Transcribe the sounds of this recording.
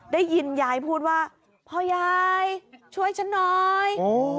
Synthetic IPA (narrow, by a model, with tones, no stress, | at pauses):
daː˥˩jːi˧njaː˨˩˦jpʰuː˥˩t̪̚waː˥˩ | pʰɔː˧˩jaː˧jt͡ɕʰu˥˩əjt͡ɕʰa˦˥nːɔː˧j